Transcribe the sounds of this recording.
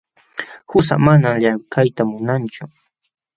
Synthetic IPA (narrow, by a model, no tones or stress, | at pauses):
hʊs̬a̰manamʎakʰajt̪amʊnant͡ʃʊ